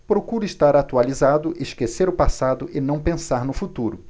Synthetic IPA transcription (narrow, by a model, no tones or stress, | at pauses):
pɾokuɾʊɪʃt̪aɾat̪ualizad̪ʊʔeʃkeseɾʊpasad̪ʊʔɪnɐ̃w̃pẽsaɾnʊfut̪uɾʊ